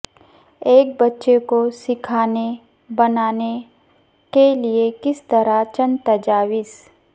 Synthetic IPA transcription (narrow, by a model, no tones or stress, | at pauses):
eːk̚bɐtːʃekosɪkʰaːne | bɐnaːne | keliekɪst̪ɐɾat͡ʃɐ̃nt̪ɐd͡ʒaːwɪz